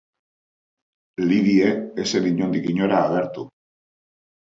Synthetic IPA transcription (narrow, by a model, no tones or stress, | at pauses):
liðieeseniɲond̪ikiɲoɾaːɣeɾt̪u